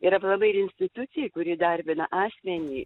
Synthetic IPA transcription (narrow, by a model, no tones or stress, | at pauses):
ɪɾɐplˠɐbɐɪɾɪnʲsʲt̪ʲɪt̪ʊt̪sʲɪjkʊɾʲiːd̪ɐɾʲbʲɪnɐʔɑːsʲmʲɛnʲiː